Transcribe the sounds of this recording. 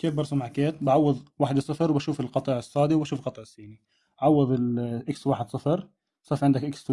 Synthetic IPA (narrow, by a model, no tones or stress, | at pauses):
keːfbɑɾˤsˤumaʕkeːt̪baʕawːɑðˤwaːħɪd̪sˤɑfɑɾwbaʃuːfɪlqɑt̪ˤɑːʕɪsˤːɑːd̪iwbaʃuːfqɑt̪ˤːʕɪsːiːni | aʕɑwːɑðˤɪlʔɪkswaːħɪd̪sˤɨfɑɾˤ | sˤɑːfʕɪnd̪akʔɪkst̪